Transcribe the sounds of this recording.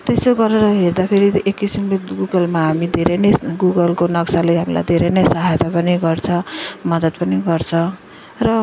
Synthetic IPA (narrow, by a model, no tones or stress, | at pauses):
t̪esoɡʌɾeɾʌɦerd̪apʰeɾiekːisimlit̪ɡuɡʌlmaɦamid̪ʱeɾenʌjɡuɡʌlkonʌksalejɦamila̰jd̪ʱeɾenʌjsʌɦajt̪ʰapʌniɡʌrt͡sʰʌ̃mʌd̪ʌt̪pʌniɡʌrt͡sʰʌ̃ | rʌ